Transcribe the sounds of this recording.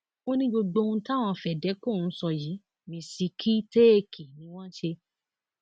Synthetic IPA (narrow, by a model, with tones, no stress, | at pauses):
o˦nĩ˦ɡ͡bo˧ɡ͡bo˧ũ˧ta˦˨w̃ɔ̃˧fɛ˨dɛ˨˦ko˦˨˦sɔ˧ji˨˦ | mĩ˧si˧kʰi˦te˦e˦˨kʰi˨nĩ˨˦w̃ɔ̃˦ʃe˧